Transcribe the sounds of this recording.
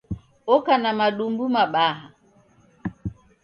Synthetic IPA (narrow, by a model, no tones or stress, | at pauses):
ɔkanamaɗumbumaɓaɦa